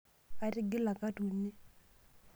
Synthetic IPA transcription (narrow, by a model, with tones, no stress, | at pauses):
ka˦ɾɪ˦ɡɪ˦la˨ka˦tu˨nːi˦